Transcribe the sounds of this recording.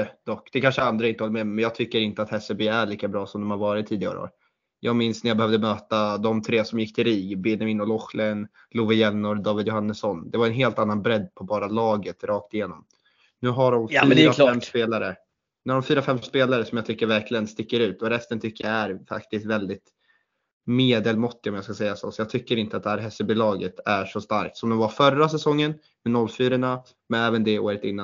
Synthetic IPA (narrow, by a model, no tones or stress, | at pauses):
d̪̥ɔkːd̪̥ɛkʰanʂəand̪ɾaɪnt̪əhɔləmɛmɛnjɑːɡ̚t̪ʰʏkːəɾɪnt̪əat̪hɛsɛbeæɭiːkabɾɑːsɔmd̪ɔmhaɾvɑːɾɪt̪ʰːiːd̪ɪɡa̰ɾo̰ːɾ | jʔɑ̰ːɡmɪnsnæɾjaːbɛhœvd̪əmøːt̪ad̪ɔmt̪ʰɾeːsɔmjɪkːt̪ʰɪlɾiːɡbɪnɛmɪnɔlɔxlɛn | luvɪjɛlnːɔɾd̪ɑːvɪd̪jʊhanːəsːɔnd̪ɛvaɾɛnɦeːlt̪anːanbɾɛd̪ːpʰɔbɑːɾalɑːɡət̪ɾɑːk̚t̪ɪjeːnɔm | nʉ̟ːɦaɖɔmfyːɾɾafɛmːspeːlaɾə | nʉːhaɾɖɔmfyːɾafɛmːspeːlaɾəsɔmjɑɡt̪ʰʏkːəɾvæɾkʰlɪɡənst̪ɪkːəɾʉ̟ːt̪ɔɾɛst̪ənt̪ʰʏkːəjaæɾfa̰kt̪ɪst̪vɛld̪ɪt̪ | meːd̪əlmɔt̪ːɪɔmjɑːskasɛjːaso̰ːsɔjɑːɡt̪ʰʏkːəɾɪnt̪əat̪d̪ɛhæːɾɦɛsːəbuːlɑːɡət̪ʰæʂɔst̪aɾk̚t̪sɔmd̪ɛmvaɾfœɾːasɛsɔŋːən | mɛnɔlːfyːɾəɳa | mɛnɛːvənd̪ɛoːɾət̪ɪnːan